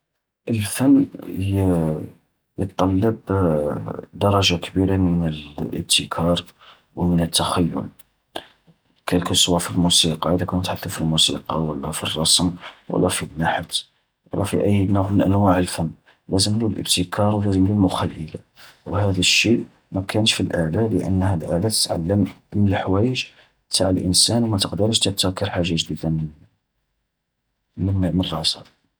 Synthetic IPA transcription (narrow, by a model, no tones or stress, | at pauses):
ʔəlfənː | jət̪ˤːɑlːɑb | d̪ɑɾˤɑʒakbiɾamənəlʔə̰b̚t̪ʰəkʰɑɾˤ | wmənət̪ːæxæjːʊ̰l | kælkʊswæfilmusiqɑʔəd̪ækunət̪ħaθəfilmusḭqɑ̰wəlːɑfḭrˤːɑsmwə̰lːɑfinːaħt̪ | wə̰lːɑfiʔəjːnʊʕmənʔænwaʕəlfəmː | læzəmlulʔə̰bt̪əkʰɑɾˤwlæzəmlulmʊxælːəla | whæd̪æʃːiʔ | mækʰænʃfilʔaʕlalə̰ʔə̰nːhælʔaʕlæt̪ə̥t̪ʕa̰lːəmmənəlħwæjəʒ | t̪ʰaʕəlʔə̰nsænwmæt̪əqd̪əɾəʃt̪əb̚t̪əkːəɾħaʒːaʒd̪id̪amən | mənmənrˤɑsɑ